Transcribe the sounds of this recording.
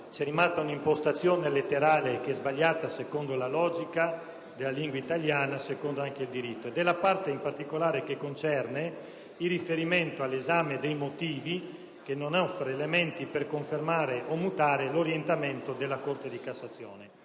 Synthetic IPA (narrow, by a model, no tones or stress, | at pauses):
t͡ʃɛrːimast̪aunimpost̪at̪sːjoːnelet̪ːeɾaːlekeɛzbaʎːaːt̪asekond̪olalɔːd͡ʒika | d̪elːaliŋɡwait̪aʎjaːnasekond̪oaŋk̟eild̪iɾit̪ːoed̪elːapart̪eimpart̪ikolaːɾekekːont͡ʃɛrne | ilːifeɾiment̪oalːezaːmed̪ejmot̪iːvi | kenːonɔfːɾeːlement̪iperkoɱfermaːɾeʔomːut̪aːɾeloɾjent̪ament̪od̪elːakort̪ed̪ikasːat̪sːjoːne